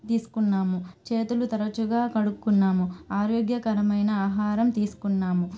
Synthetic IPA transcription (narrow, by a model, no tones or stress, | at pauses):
t̪iːsu̥kunːaːmut͡ʃeːt̪ulut̪ɐɾɐt͡ʃuɡaːkɐɽukːunːaːmuaːɾjoɡjɐkɐɾɐmɐjnɐaːɦaːɾɐmt̪iːsu̥kunːaːmu